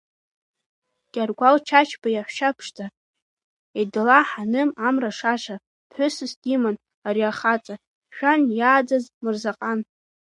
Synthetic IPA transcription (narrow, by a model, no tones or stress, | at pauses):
ɡ̥ʲarɡʷalt͡ʃʰat͡ʃʰbajaħʷʃapʰʂtʰa | idɨlaħanɨmamraʂaʂa | pʰħʷʊsɨsdʲiman | aɾiaχat͡sʼa | ʃᶣanjaːd͡zazmɨrzaqʼan